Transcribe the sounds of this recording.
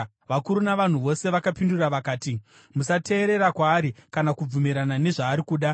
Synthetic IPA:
ʋakuɾunaʋan̤uʋo̞se̞ʋakapinduraʋakaːti | musatʰe̞ːɾe̞ɾakwaːɾikanakub͡vumiɾanane̞ʐaːɾikuːɗa

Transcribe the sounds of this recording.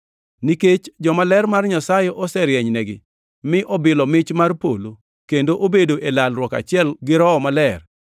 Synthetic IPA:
niket͡ʃd͡ʒɔmalɛrmarɲasajɔʔɔsɛɾjɛɲnɛɡɪ | mɪʔɔbɪlɔmɪt͡ʃmarpo̰lo | kendoʔobedoʔelalɾwɔka̰t͡ʃɪɛlɡɪɾɔɔmalɛr

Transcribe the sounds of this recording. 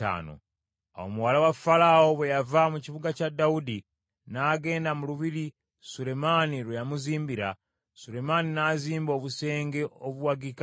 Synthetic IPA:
a̰ːno̰ | a̰wo̰muwalawafalao̞βwejavamuciβuɡacadaudi | naɡe̞ːndamuluβiɾi | sule̞maniɾujamuziːmbiɾa̰ | sule̞maninaziːmbo̞ːβuse̞ːŋɡe̞ʔoβuwaɡika

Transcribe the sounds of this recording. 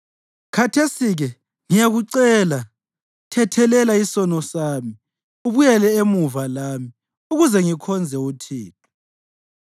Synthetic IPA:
kʰatʰesiɣɛ | ŋijaɣuǀɛla | tʰɛtʰɛlɛlaisɔnɔsaːmi | uβujɛlɛemuvalaːmi | uɣuzɛŋikʰɔnd͡zʱɛutʰiːtʰɔ̥

